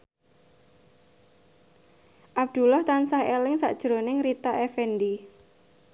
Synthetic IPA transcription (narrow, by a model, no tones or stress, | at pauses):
ʔab̚d̪̥ṳlɔht̪ansahelɪŋsa̰ʔd̥ʒ̥ɾo̤nɪŋɾit̪aʔefɛndi